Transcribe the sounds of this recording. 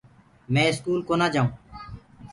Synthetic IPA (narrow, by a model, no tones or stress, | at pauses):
mɛ̃ːɪskuːlkoːnaːd͡ʒaːũː